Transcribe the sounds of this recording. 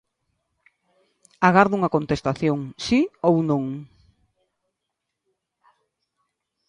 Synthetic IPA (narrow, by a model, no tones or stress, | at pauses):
aɣaɾðuŋɐkont̪est̪aθjoŋsiownõŋ